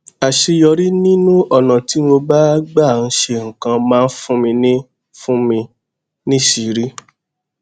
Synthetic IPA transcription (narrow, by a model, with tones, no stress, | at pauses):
a˨ʃe˧jɔ˧ɾi˦nĩ˦nũ˦ʔɔ˦˨nã˨ti˨˦mo˧ba˦ɡ͡ba˦˨n̩˦ʃe˧ŋ̩˨kã˧mãː˨˦˧n̩˦fũ˦mĩ˧nĩ˦ | fũ˦mĩ˧ | nĩ˦ʃi˨˦ɾi˦